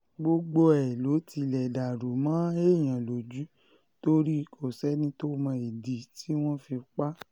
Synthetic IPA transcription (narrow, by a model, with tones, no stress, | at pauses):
ɡ͡bo˧ɡ͡bo˧ɛ˨lo˨˦tʰi˧lɛ˨da˨ɾo˨˦mã˨˦e˦˨j̃ã˨lo˨d͡ʒu˨˦ | to˦ɾi˦˧kʰo˨sɛ˦nĩ˦to˦mã˧i˨di˨ti˦w̃ɔ̃˦fi˧k͡pa˦